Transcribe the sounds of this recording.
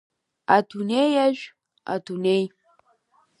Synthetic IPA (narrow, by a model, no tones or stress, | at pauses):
atunejaʒʷᶣ | a̰tunej